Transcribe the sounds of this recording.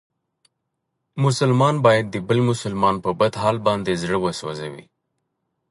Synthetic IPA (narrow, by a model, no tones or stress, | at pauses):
mʊsəlmɑnbɑjad̪̚ːəbəlmʊsəlmɑnpəbad̪ɦɑːlbɑnd̪ezɽəwəsoa̰zawḭ